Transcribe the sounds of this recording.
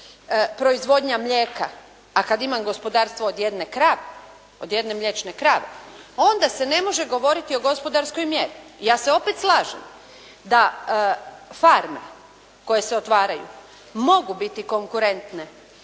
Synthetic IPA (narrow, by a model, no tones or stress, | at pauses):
pɾo̞izʋo̞d̪ɲamʎʲeːkaː | kad̪imamɡo̞spo̞d̪aːɾst̪ʋoːd̪je̞d̪ne̞kɾaʋe | od̪je̞d̪ne̞mʎʲet͡ʃne̞kɾaːʋḛo̞nd̪ase̞ne̞mo̞ʒe̞ɡo̞ʋo̞ɾit̪io̞ɡo̞spo̞d̪aɾsko̞jmje̞ɾijaːse̞o̞pet̪slˠaːʒḛm | d̪a | faɾme̞̰ | ko̞je̞se̞o̞t̪ʋaːɾajṵ | mo̞ɡubit̪iko̞ŋkuɾe̞nt̪ne̞